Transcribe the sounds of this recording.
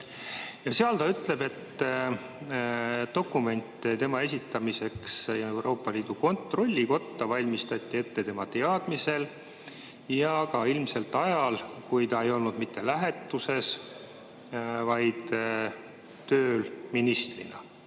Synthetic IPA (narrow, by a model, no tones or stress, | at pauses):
jɑseɑlt̪ɑyt̪ˑle̞be̞t̪ː | d̪o̞kːˑume̞nʲt̪ːˑt̪e̞mɑe̞s̬ʲit̪ːɑmise̞ksewɾʔo̞ːpːˑɑliːd̪̥uko̞nt̪ro̞lʲːiko̞t̪ːɑvɑlʲmist̪ɑt̪ʲˑːie̞t̪ːe̞t̪e̞mɑt̪e̞ɑd̪̥mise̞l | jɑkɑilmse̞lt̪ːˑɑjɑlkujt̪ɑe̞jo̞lnud̪mit̪ːe̞læɦe̞t̪ːˑuse̞s | vɑjd̪̥ | t̪ø̞ːlminist̪rḭnɑ̰